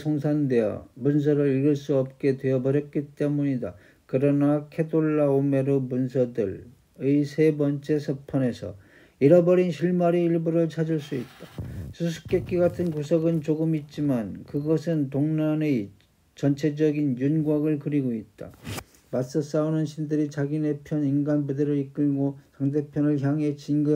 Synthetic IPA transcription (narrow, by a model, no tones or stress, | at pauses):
sʰoŋsʰandeʌ̰muns̬ʰʌɾɯɾiɭɡɯɭs͈uʌp̚k͈e̞dwe̞ʌbʌɾjʌk͈it͈e̞muɲida | kɯɾʌnakʰedoɭːaome̞ɾomunsʰʌdɯɭ | ɯisʰe̞bʌnt͡ɕ͈e̞sʰʌpʰʌne̞sʰʌ̰ | iɾʌbʌɾinɕʰiɭmaɾiiɭbuɾɯɭt͡ɕʰad͡ʑuɭs͈uit̚t͈asʰusʰu̥k̚k͈ek͈iɡatʰɯnkusʰʌɡɯnt͡ɕoɡɯmit̚t͡ɕ͈imankɯɡʌsʰɯntoŋnane | t͡ɕʌnt͡ɕʰe̞d͡ʑʌɡinjunɡwaɡɯɭkɯɾiɡoit̚t͈a̰ | mas͈ʌs͈aonɯnɕʰindɯɾit͡ɕaɡine̞pʰjʌninɡanbudeɾɯɭik͈ɯɭɡosʰaŋde̞pʰjʌnɯɭçjaŋe̞t͡ɕinɡɯ